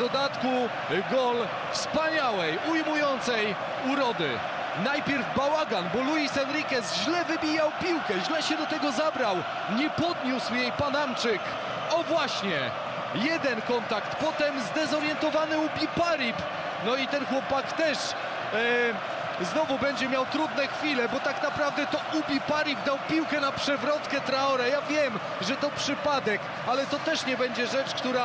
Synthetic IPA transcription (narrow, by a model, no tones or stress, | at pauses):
ɔd̪at̪ku | ɡɔl | fspaɲawɛjujmujɔnt̪sɛj | uɾɔd̪ɘ̰ | najpʲjɛɾvbawaɡanbɔluisɛnɾikɛsʑlɛvɘbʲijawpʲiwkɛʑlɛɕɛd̪ɔt̪ɛɡɔzabɾaw | ɲɛpɔd̪ɲuswjejpanamt͡ʂɘk | ɔvwaɕɲɛ | jɛd̪ɛnkɔnt̪akt̪pɔt̪ɛmzd̪ɛzɔɾjɛnt̪ɔvanɘubʲipaɾip | nɔit̪ɛnxwɔpakt̪ɛʂ | znɔvubɛɲd͡ʑɛmʲjawt̪ɾud̪nɛxfʲilɛbɔt̪aknapɾavd̪ɛt̪ɔubʲipaɾib̚d̪awpʲiwkɛnapʂɛvɾɔt̪kɛt̪ɾaɔɾajavʲjɛm | ʐɛt̪ɔpʂɘpad̪ɛk | alɛt̪ɔt̪ɛʂɲɛbɛɲd͡ʑɛʐɛt͡ʂkt̪uɾa